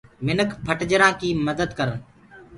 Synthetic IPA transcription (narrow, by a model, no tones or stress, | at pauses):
mɪnəkʰpʰəʈd͡ʒəɾãːkiːməd̪əd̪kəɾən